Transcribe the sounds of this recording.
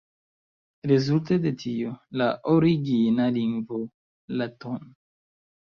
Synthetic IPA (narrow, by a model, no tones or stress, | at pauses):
ɾezultede̞tio̞laʔoɾiɡinaliŋɡvo | laton